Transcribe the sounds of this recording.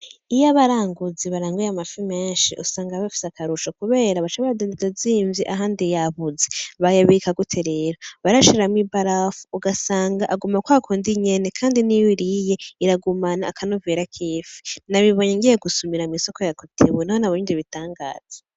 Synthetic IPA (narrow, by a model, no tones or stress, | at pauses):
ijaβaɾaːŋɡuziβaɾaːŋɡujamafimeːnʃḭʔusaːŋɡaβafi̥sakʰaɾuʃokuβe̞ːɾaβat͡ʃaβaɾadondidoziːɱviʔaɦaːndijaβuzeβajaβikaɡutʰeɾeɾaβaɾaʃiɾamibaɾafuuɡasaːŋɡaʔaɡumakwaːkʰoːndiɲe̞nekʰaːndiniwiɾije̞iɾaɡumanaːkʰanuveɾakʰiːfi̥naβiβoɲeŋɡijeɡusumiɾamiso̞kojakutʰiβunahonaβojiːndiβitaːŋɡa̰ːz̥e̥